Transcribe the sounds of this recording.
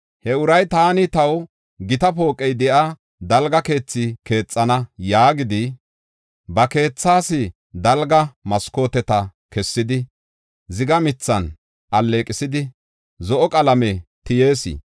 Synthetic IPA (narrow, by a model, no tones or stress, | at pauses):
hɛʊɾɐjt̪aːnɪt̪ɐw | ɡɪt̪ɐpo̞ːkʼːɛjd̪ɛʔa | d̪ɐlɡɐke̞ːt͡sːɪke̞ːt͡sʼːɐnɐjaːɡɪd̪ɪ | bɐke̞ːt͡sːaːsɪ | d̪ɐlɡɐmɐsko̞ːt̪ɛt̪ɐ | kɛsːɪd̪ɪ | zɪɡɐmɪt͡sːɐn | ʔɐlːe̞ːkʼɪsɪd̪ɪ | zɔʔɔkʼɐlɐmɛt̪ɪje̞ːsɪ̰